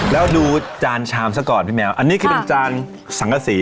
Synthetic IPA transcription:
lɛː˦˥wduː˧t͡ɕaː˧nt͡ɕʰaː˧msa˦˧˩kɔː˨˩npʰiː˦˥˩mɛː˧˥wʔa˧nːi˦˥kʰɯ˧˩pe˧nt͡ɕaː˧n | sa˨˩˦ŋkʰa˧siː˩˦

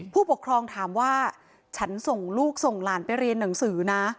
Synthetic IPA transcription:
pʰuː˥˩pu˨˩ə˩kʰɾɔː˧ŋt̪ʰaː˩˦mwaː˥˩ | t͡ɕʰa˦˥nso˨˩ŋluː˥˩k̚so˨˩ŋlaː˩˦npa˧jɾi˧ənːa˩˦ŋsɯː˩˦na˦˥

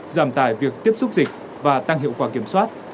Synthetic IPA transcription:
zaː˧˩mt̪aː˧˩jvi˨˩ək̚t̪i˦˥əp̚sʊ˦˥k͡p̚zï˨˩k̟̚ | vaː˨˩t̪a˧ŋɦḭ˧˨əwkwaː˧˩ki˧˩əmswaː˦˥t̚

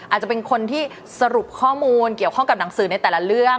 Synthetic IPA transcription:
ʔaː˨˩t̪̚t͡ɕa˨˩pe˧nkʰo˧nt̪ʰiː˥˩ | sa˧ɾu˨˩p̚kʰɔː˥˩muː˧nki˨˩əwkʰɔ˥˩ŋka˨˩p̚na˩˦ŋsɯː˩˦na˧jt̪ɛː˨˩la˦˥ɾɯ˥˩ə

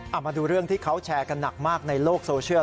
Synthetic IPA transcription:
ʔa˨˩maː˧duː˧ɾɯ˥˩əŋt̪ʰiː˥˩kʰa˦˥wt͡ɕʰɛː˧ka˧nːa˨˩k̚maː˥˩k̚na˧jloː˥˩k̚soː˧t͡ɕʰɯ˥˩ə

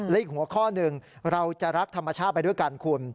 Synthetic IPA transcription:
lɛ˦˥ʔiː˨˩k̚hu˩˦ɐkʰɔː˥˩nɯ˧ŋɾa˧wt͡ɕa˨˩ɾa˦˥k̚t̪ʰa˧mːa˧t͡ɕʰaː˥˩t̪̚pa˧jdu˥˩jka˧nkʰu˧ən

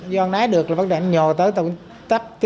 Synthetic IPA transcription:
zɔ˧ŋnaː˨˦jɗɨ˨˩ək̚laː˨˩və˧˥˩ɗa˨˧˩ɲɔ˨˩t̪əː˨˦jt̪ə˧˩ŋ͡m | t̪a˦˥k̚t̪i˧

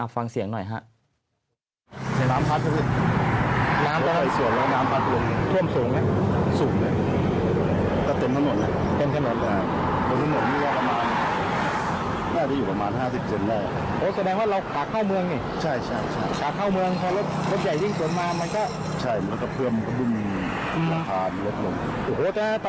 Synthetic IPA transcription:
ʔa˨˩fa˧ŋsi˨˩˦ŋnɔ˨˩jɦa̰˦˥ʔ | a˨˧˩naː˦˥mpʰa˦˥t̪̚ʰːa˧˩se˧˩ | naː˦˥mt̪ːa˥˧a˧jsu˨˩˦ənlɛː˦kɔ˥˧˩naː˦˥mpʰa˦˥t̪̚ʰlo˧ŋt̪ʰu˥˩əmsuː˩˦ŋna˧˩suː˩˦ŋna˧˩ | kɔː˥˩t̪e˧mt̪ʰa˧˥no˨˩˦na˧ | t̪e˧nt̪ʰa˧˩no˨˩˦nl | bo˧nʰa˧˥no˨˩˦niː˥˩kɔː˥˩pa˧maː˧n | naː˥˩t͡ɕa˧˩juː˨˩pɾa˧maː˧nɦaː˥˩si˨˩p̚se˧ndaː˥˩j̰ | ʔoː˨˦sa˧dɛː˧ŋwaː˥˩ɾa˧wkʰaː˨˩kʰːaː˥˩wmɯ˧əŋni˧˨˩t͡ɕʰa˥˩jt͡ɕʰa˥˩jt͡ɕʰa˥˩jkʰaː˨˩kʰːaː˥˩wmɯ˧əŋpʰɔː˧lo˦˥t̪̚lo˦˥t̪̚ja˨˩ji˥˩ŋsu˨˩˦ənmaː˧ma˧nkɔː˥˩ | t͡ɕʰa˥˩jma˧˥˩kɔ˥˩pʰɯ˥˩əmkʰa˧˩bɯ˧˥˩ŋ | aː˧˩pʰaː˧nlɔ˦˥t̪ʰlo˧˩n˧˩ʔo˧˩hoː˨˦t̪ɛː˨˥˩

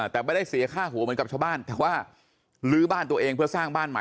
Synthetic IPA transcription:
t̪ɛː˨˩ma˥˩da˥˩jsi˨˩˦ɐ˦kʰaː˥˩ɦuː˩˦mɯ˨˦nka˨˩t͡ɕʰa˧˩wbaː˥˩nt̪ɛː˨˩waː˥˩ | lɯː˦˥baː˥˩nt̪u˧ɐʔeː˧ŋpʰɯ˥˩ɐsaː˥˩ŋbaː˥˩nma̰˨˦

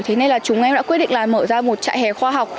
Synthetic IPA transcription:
t̪ʰe˨˦na˧jlaː˨˩t͡ɕʊ˨˦ŋ͡mʔɛ˧mɗ̰a̰ː˧˥wi˦˥t̚ɗḭ˧ŋ̟laː˨˩məː˧˩zaː˧mo˨˩t̚t͡ɕa̰ː˧˨jhɛ˨˩xwaː˧ɦa˨˩wk͡p̚

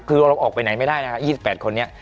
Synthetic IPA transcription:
kʰɯː˧ɾa˧wɾa˧wʔɔː˨˩pa˧jna˩˦jma˥˩jdaː˥˩jna˦˥kʰa˦˥jiː˥˩si˨˩pːɛː˨˩t̪kʰo˧nːi˦˥ɐ

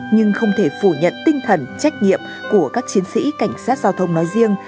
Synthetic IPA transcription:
ɲɨ˧ŋxə˧wŋ͡mt̪ʰe˧˩fu˧˩ɲə̰˧˨nt̪ï˧ŋ̟t̪ʰə˧˩nt͡ɕa˦˥k̟̚ɲḭ˧˨əm | ku˧˩əkaː˦˥k̚t͡ɕi˨˦ənsḭ˧˥ka˧˩jŋ̟saː˦˥t̚zaː˧wt̪ʰə˧wŋ͡mnɔ˨˦jzi˧əŋ

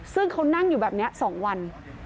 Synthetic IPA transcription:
sɯ˥˩ŋkʰa˧˦˥wna˥˩ŋjuː˨˩bɛː˨˩p̚ni˦˥ɐʔsɔː˩˦ŋwa˧n

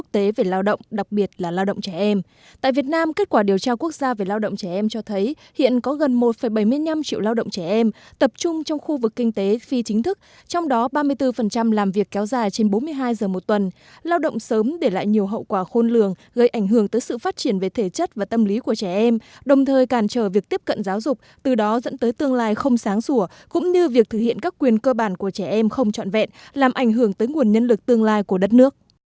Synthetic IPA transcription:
k̚t̪e˨˦ve˨˩laː˧wɗə̰˧˨wŋ͡mɗa˨˩k̚ɓi˨˩ət̚laː˨˩laː˧wɗə̰˧˨wŋ͡mt͡ɕɛ˧˩ʔɛ˧m | t̪a̰ː˧˨jvi˨˩ət̚naː˧mke˦˥t̚kwaː˧˩ɗi˨˩əwt͡ɕaː˧ku˦˥ək̚zaː˧ve˨˩laː˧wɗə̰˧˨ŋ͡mt͡ɕɛ˧˩ʔɛ˧mt͡ɕɔ˧t̪ʰə˨˦j | hḭ˧˨ənkɔ˨˦ɣə˨˩nmo˨˩t̚fə˨˩jɓə˧˩jmɨ˧əjɲa˧mt͡ɕḭ˧əwlaː˧wɗə̰˧˨ŋ͡mt͡ɕɛ˧˩ʔɛ˧mt̪ə˨˩p̚t͡ɕʊ˧ŋ͡mt͡ɕɔ˧wŋ͡mxu˧vɨ˨˩kːï˧ŋ̟t̪e˨˦fi˧t͡ɕï˨˦ŋ̟t̪ʰɨ˦˥k̚ | t͡ɕɔ˧wŋ͡mɗɔ˨˦ɓaː˧mɨ˧əjt̪ɨ˧fə˨˩nt͡ɕa˧mlaː˨˩mvi˨˩əkːɛ˨˦wzaː˧˩jt͡ɕe˧nɓo˨˦mɨ˧əjɦaː˧jzəː˨˩mo˨˩t̚t̪wə˨˩n | laː˧wɗə̰˧˨wŋ͡msəː˨˦mɗe˧˩la̰ː˧˨jɲi˨˩əwɦə̰˧˨wkwaː˧˩xo˧nlɨ˨˩əŋ | ɣə˧jʔa˧˩jŋ̟ɦɨ˧˩əŋt̪əː˨˦jsɨ̰˧˨faː˦˥t̚t͡ɕi˧˩ənve˨˩t̪ʰe˧˩t͡ɕə˦˥t̚vaː˨˩t̪ə˧mli˨˦ku˧˩ət͡ɕɛ˧˩ʔɛ˧mɗə˨˩wŋ͡mt̪ʰəː˨˩jkaː˧˩nt͡ɕəː˧˩vi˨˩ək̚t̪i˦˥əp̚kə̰˧˨nzaː˨˦wzʊ˨˩k͡p̚t̪ɨ˨˩ɗɔ˨˦zə̰˧˥nt̪əː˨˦jt̪ɨ˧əŋlaː˧jxə˧wŋ͡msaː˨˦ŋsu˧˩ə | kʊ̰˧˥ŋ͡mɲɨ˧vi˨˩ək̚t̪ʰɨ˧˩k̚hḭ˧˨ənkaː˦˥kːwi˨˩ənkəː˧ɓaː˧˩nku˧˩ət͡ɕɛ˧˩ʔɛ˧mxə˧wŋ͡mt͡ɕɔ̰˧˨nvɛ̰˧˨nlaː˨˩mʔa˧˩jŋ̟ɦɨ˧˩əŋt̪əː˨˦jŋu˨˩ənɲə˧nlɨ˨˩k̚t̪ɨ˧əŋlaː˧jku˧˩əɗə˦˥t̚nɨ˦˥ək̚

